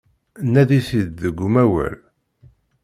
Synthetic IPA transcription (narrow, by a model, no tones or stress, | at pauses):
nːæðisid̪ðəɡʷːumæwæ̰l